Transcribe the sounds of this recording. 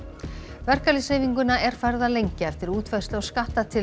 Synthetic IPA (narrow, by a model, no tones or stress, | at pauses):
vɛr̥kalisheːjviŋkʏnaɛɾ̥faɾðalejɲcɪɛft̪ɪɾuːt̪vœ̥st̪lawskaht̪at̪ʰɪ